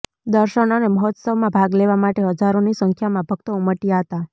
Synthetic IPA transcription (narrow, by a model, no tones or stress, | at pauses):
d̪əɾʃənəneməɦɔt̪səʋmãbʱaɡleʋamaʈeɦəd͡ʒaɾonisəŋkʰjamãbʱəɡt̪əuməʈijaɦət̪a